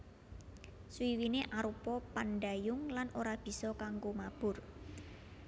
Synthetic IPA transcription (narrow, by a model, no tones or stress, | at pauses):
swiwineʔaɾupɔpanɖajʊŋlanʔoɾab̥i̤sɔkaŋɡomab̥ʊr